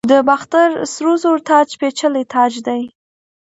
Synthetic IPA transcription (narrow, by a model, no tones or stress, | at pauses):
d̪əbaxt̪aɾsɾozoɾt̪ɑd͡ʒpet͡ʃəlɪt̪ʰɑd͡ʒd̪aj